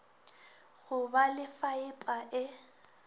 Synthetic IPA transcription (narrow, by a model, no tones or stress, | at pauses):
ɣʊbalɪfaɪpʼaʔɪ